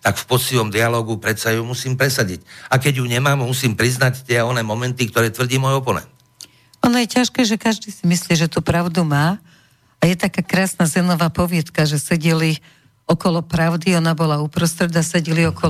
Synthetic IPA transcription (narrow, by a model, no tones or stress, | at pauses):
t̪akfpɔsiʋɔmd̪ialɔːɡupɾɛt̪sajumusiːmpɾɛsaɟicakɛɟjuɲɛmaːmmusiːmpɾiznact̪ɪɛɔnɛːmɔmɛnt̪ikt̪ɔɾɛːt̪ʋr̩ɟiːmɔːjɔpɔnɛ̰nt̪ | ɔnɔjɛcaʃkɛːʒɛkaʒd̪iːsimisliːʒɛt̪uːpɾaʊd̪umaː | ajɛt̪akaːkɾaːsnazɛnɔʋaːpɔʋɪɛt̪kaʒɛsɛɟili | ɔkɔlɔpɾaʊd̪iɔnabɔlaupɾɔst̪ɾɛd̪asɛɟiliɔkɔ